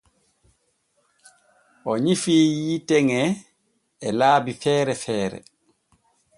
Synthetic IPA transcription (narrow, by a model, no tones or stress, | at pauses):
ʔɔɲifiːjitɛŋɛ | ɛlaːbifɛːɾɛfɛːɾɛ̰